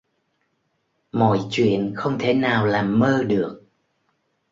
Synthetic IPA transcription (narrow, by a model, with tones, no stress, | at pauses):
mɔ̰˧˨jt͡ɕwḭ˧˨ənxə˧wŋ͡mt̪ʰe˨˩˦naː˨˩wlaː˨˩mːəː˧ɗɨ˨˩ək̚